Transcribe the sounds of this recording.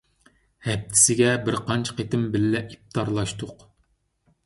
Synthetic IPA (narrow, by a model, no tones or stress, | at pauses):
hɛp̚t̪ʰːɪ̥sɪɡʲɛbɪɾqʰɑnt͡ʃʰqet̪ɪmbɪlːɛʔip̚t̪ʰɑɾlˠɑʃt̪ʊq